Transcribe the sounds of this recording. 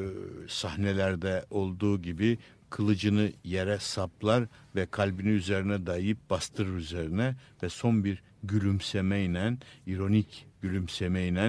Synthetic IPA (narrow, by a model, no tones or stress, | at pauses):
sahnelʲæɾd̪ɛo̞lˠd̪uːɟibi | kʰɯlˠɯd͡ʒɯnɯjeɾɛsaplˠaɾvɛkʰalʲbiniyze̞ɾinɛd̪ajjɯp̚b̥ast̪ʰɯɾɯyzeɾinɛvɛso̞nbiɾ | ɟylʲymsemɛjinæniɾo̞nicɟylʲymsemejinæ